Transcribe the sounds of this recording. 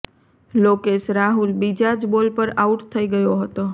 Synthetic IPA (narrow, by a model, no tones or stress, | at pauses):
lokeʃɾaɦulbid͡ʒad͡ʒbolpəɾauʈt̪ʰəiɡəjoɦət̪o